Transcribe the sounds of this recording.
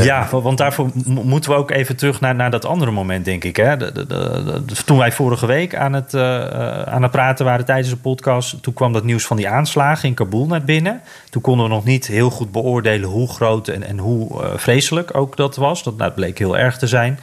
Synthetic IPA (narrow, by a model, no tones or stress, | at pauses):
jaʋɑndaːɹvoːmutənʋəowkejvəntərɵχnaːnaːɹdɑtɑ̰ndərəmowmɛnt̚dɛŋkɪkɦɛ̰ | tunʋɛjfʊːɾəχəʋejka̰ːnət | a̰ːnət̚praːtənʋaːɾətɛjdənzdəpɔtkɑsttunkʋɑmdɑtniwsfɑndiaːnslaːχəɪnkabulˠnaɹbɪnə | tunkɔndəʋənɔχnitɦɪːlˠχud̚bəʊːɹdejlənɦuχrowtɛnɛ̰nɦufrejsələko̰wkdɑtʋɑsda̰d̚blejkɦɪːlˠʔɛ̰ɹχtəzɛjn